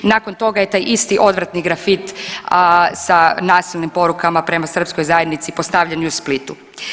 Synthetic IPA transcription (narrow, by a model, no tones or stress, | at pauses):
naːko̞nt̪o̞ɡaje̞t̪aːjʔist̪iʔo̞d̪ʋɾat̪niɡɾafit̪ | sanaːsilnimpo̞ɾukamapɾe̞masr̩pskojzaje̞d̪nit̪sipo̞st̪aʋʎenusplit̪u